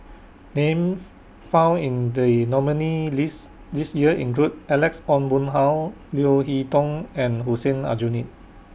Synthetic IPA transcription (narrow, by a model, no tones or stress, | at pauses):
nẽm | fãw̃nĩndənɔmənilis | disjiəʔḭ̃nɡɹut̚ɛlɛksɔ̃nbũnɦaw | lioɦitɔ̃ŋɛ̃nɦusə̃na̰d͡ʒunit̚